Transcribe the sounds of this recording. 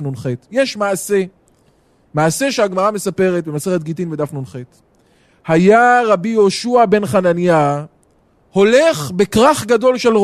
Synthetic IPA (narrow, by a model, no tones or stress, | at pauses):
nunχet̪jeʃmaːse̞ | maːse̞ʃeaɡmaʁame̞sape̞ʁet̪̚bemaseʁet̪̚ɡitinved̪afnunχet | hajaʁabijo̞ʃuabe̞nχananja | ho̞le̞χbe̞kʁaχɡado̞lʃe̞l